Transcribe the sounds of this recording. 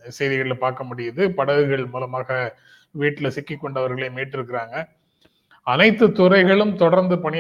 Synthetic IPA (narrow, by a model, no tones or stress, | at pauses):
sɛjðɪɣɐɭɪlpaːɾkɐmʊɽɪjɐðɯpɐɽɐʋɯɣɐɭmuːlɐmaːɣɐ | ʋiːʈːɪlɐsɪkːɪkːɔɳɖɐʋɐɾɣɐɭeːmeːʈːɪɾɯkːɪɾaːŋɡɐ | ɐnɐɪt̪ːɯt̪ːʊrɐɪɣɐɭɯmt̪ɔɽɐɾnd̪ɯpɐɳɪ